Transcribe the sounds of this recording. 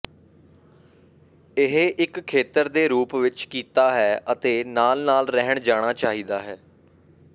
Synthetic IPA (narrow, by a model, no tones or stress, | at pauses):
ɪɦeʔɪkʰːeːt̪əɾd̪eːɾuːpʋɪt͡ʃkiːt̪aːɦɛːʔət̪eːnaːlnaːlɾɛɦəɳd͡ʒaːɽ̃aːt͡ʃaːɦiːd̪aːɦɛː